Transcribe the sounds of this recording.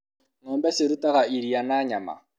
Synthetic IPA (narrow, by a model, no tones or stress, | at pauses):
nɔːmbɛseɾutaɣaiɾianaɲama̰